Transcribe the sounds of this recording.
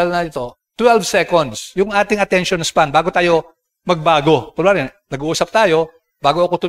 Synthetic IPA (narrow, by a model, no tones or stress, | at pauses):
ɐlnɐɪt̪o̞ | t̪wɛlvsɛkond̪sjʊŋʔaːt̪ɪŋɐt̪ɛnʃonspanbaːɡot̪aːjo̞ | mɐɡ̚baːɡo̞pɾoblɛːmlɛnɐɡuːʔuːsɐp̚t̪aːjo̞ | baːɡoʔɐkot̪ʊ